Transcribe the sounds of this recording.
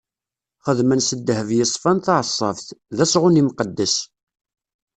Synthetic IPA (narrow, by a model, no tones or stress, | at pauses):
χəðmənsəd̪ːhəvjɪsˤfænθɑʕsˤːɑ̰fθðæsʁʊnimqəd̪ːəs